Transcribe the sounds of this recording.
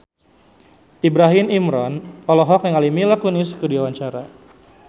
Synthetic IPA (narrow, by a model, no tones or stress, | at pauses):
ibɾaɦimimɾɔnɔlɔɦɔkjaŋalimilakuniskədiawaɲt͡ʃaɾa